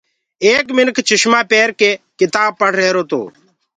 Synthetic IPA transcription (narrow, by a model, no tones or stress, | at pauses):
eːkmɪnkʰt͡ʃʊʃmãːpeːɾkeːkɪt̪aːb̚pəɽɾeːɾoːt̪o̰ː